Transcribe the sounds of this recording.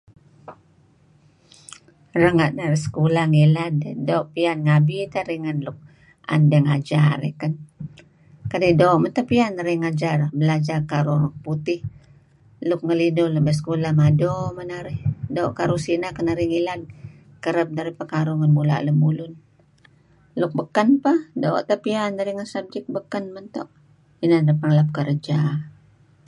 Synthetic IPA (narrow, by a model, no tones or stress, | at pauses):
rəŋaʔnaɾihsə̥kulahŋiladdoʔpianŋabit̪aɾiŋanlʊk̚ | a̰ndəŋad͡ʒaɾḛhkan | kadidoːʔmənt̪apianaɾihŋad͡ʒarbəlad͡ʒarkaɾulʊk̚put̪ɪh | lʊk̚ŋəlidʊlbəs̬ə̥kolahmadomənaɾɪhdoːʔkaɾusinakənaɾiŋilad̚ | kəɾəp̚daɾipakaɾuŋanbula̰ʔləmulʊn | lʊk̚bəkanpahdo̰ːʔt̪apiandaɾiŋəsab̚d͡ʒɛk̚bəkanmənt̪ɔ̰ʔ | inadapaŋlap̚kəɾd͡ʒa